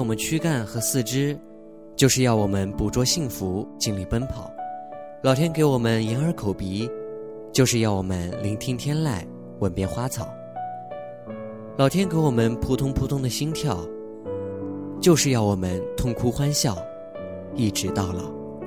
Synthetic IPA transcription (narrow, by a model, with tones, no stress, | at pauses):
wɔ˨˩mə˦nt͡ɕʰy˥ka˥˩nxɤ˧˥sɹ̩˥˩ʈ͡ʂɻ̩˥ | t͡ɕjo˥˧ʊʂɻ̩˥˧jɑ˥˩ʊwɔ˨˩mə˦npu˨˩ʈ͡ʂwɔ˥ɕi˥˩ŋfu˧˥t͡ɕi˥nli˥˩pə˥npʰɑ̰˨˩˦ʊlɑ˨˩ʊt̪ʰjɛ˥nke˧˥ɪwɔ˨˩mə˦njɛ˧˥nə˞˧˥kʰo˨˩ʊpi˧˥ | t͡ɕjo˥˧ʊʂɻ̩˥˧jɑ˥˩wɔ˨˩mə˦nli˧˥ŋt̪ʰi˥ŋt̪ʰjɛ˥nla˥˩ɪ | wə˨˩npjɛ˥˧nxwa˥t͡sʰɑ˨˩˦ | lɑ˨˩ʊt̪ʰjɛ˥nke˧˥ɪwɔ˨˩mə˧˦npʰu˧˥t̪ʰʊ˥ŋpʰu˧˥t̪ʰʊ˥ŋd̪ə˨ɕi˥ŋt̪ʰjɑ˥˩ʊ | t͡ɕjo˥˧ʊʂɻ̩˥˧jɑ˥˩ʊwɔ˨˩mə˦nt̪ʰʊ˥˧ŋkʰu˥xwa˥nɕjɑ˥˩ʊ | i˥˩ʈ͡ʂɻ̩˧˥t̪ɑ˥˩ʊlə̰˩